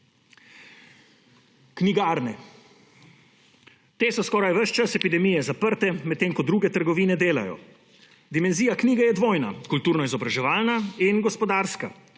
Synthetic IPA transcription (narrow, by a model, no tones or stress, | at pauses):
kniɡaːɾnɛ | t̪eːsɔskɔːɾajʋəʃt͡ʃasɛpid̪ɛmiːjɛzapəɾt̪ɛmɛt̪ːeːŋkɔd̪ɾuːɡɛt̪əɾɡɔʋiːnɛd̪eːla̰jɔ̰ | d̪imɛnziːjakniːɡɛjɛd̪ʋoːjna̰kult̪uːɾnɔizɔbɾaʒɛʋaːlnainɡɔspɔd̪aːɾska̰